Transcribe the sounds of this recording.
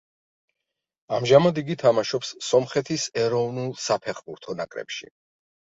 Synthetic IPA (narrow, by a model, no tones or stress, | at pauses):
amʒamad̪iɡit̪ʰamaʃɔpsːɔmχɛt̪ʰisɛɾɔvnulˠsapʰɛχbuɾt̪ʰɔnakʼɾɛ̰pʃḭ